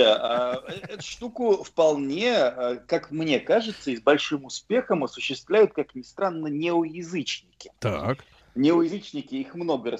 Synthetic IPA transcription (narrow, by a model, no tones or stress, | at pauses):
aʔɛɛt̪ʊ̥ʂt̪ukʊfpɐlˠnʲe̞əkakmnʲe̞kaʐɨt̪sːəizbɐlʲʂɨmʊspʲe̞xəmɐsʊɕːɪst̪vlʲæjʊt̪̚kaknʲɪst̪ɾanːənʲeojɪzɨt͡ɕnʲɪkʲɪ̥t̪ak | nʲɪojɪzɨt͡ɕnʲɪkʲɪixmno̞ɡəɾə